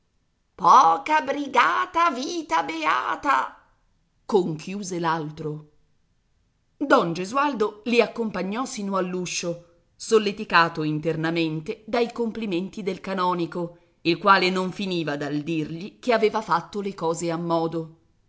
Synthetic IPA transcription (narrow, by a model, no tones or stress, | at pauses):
pɔːkabɾiɡaːt̪aviːt̪abea̰ːt̪a | koŋkʰjuːzelalt̪ɾo | d̪ɔnd͡ʒezuald̪oliakːompaɲːɔsiːnoalːuʃːo | solːet̪ikaːt̪oint̪ernament̪ed̪ajkompliment̪id̪elkanɔːniko | ilkwaːlenoɱfiniːvad̪ald̪irʎikeaveːvafat̪ːolekɔːzeamːɔːd̪o